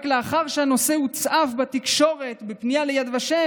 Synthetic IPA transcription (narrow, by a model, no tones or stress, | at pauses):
kleaχaʁʃeano̞sehut͡sʔafbat̪ikʃo̞ʁe̞t̪bepnijalejad̪vaʃe